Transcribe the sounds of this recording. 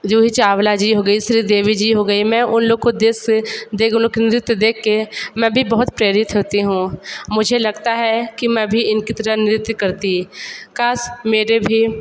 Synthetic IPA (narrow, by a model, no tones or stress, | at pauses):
d͡ʒoːɦit͡ʃaːʋlad͡ʒiːɦoɡɐisɾiːd̪eːʋid͡ʒiːɦoɡɐimɛ̃ʔʊnloːɡ̚kod̪eːsd̪eknɪɾɪt̪əd̪eːkʰːemɛ̃ːbʱibɐɦʊt̪pɾeːɾɪt̪ɦoːt̪iɦũmʊd͡ʒʱelɐɡt̪aɦɛkimɛ̃bʱiɪnkit̪ɐɾanɪɾɪt̪ːkɐɾt̪ikaːsmeːɾebʱi